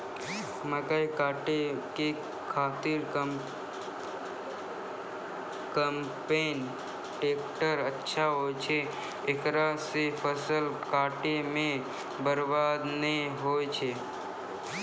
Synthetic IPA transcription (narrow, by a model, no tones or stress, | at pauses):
mə̃kaikaːʈeke | kʰaːt̪ɪɾ | kəm | peːn | ʈeːkʈəɾətːʃʰaɦot͡ʃʰe | ekɾasepʰəsəlkaːʈemẽ | bəɾbad̪neɦoːjt͡ʃʰe